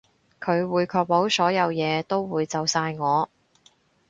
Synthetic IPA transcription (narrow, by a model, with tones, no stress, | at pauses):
kʰɵ˨˧ɥwuː˨˧jkʰɔː˧k̚po˨˥wsɔː˨˥jɐ˨˧wjɛː˨˧t̪o˥wwuː˨˧jt͡sɐ˨wsaː˧jŋɔː˨˧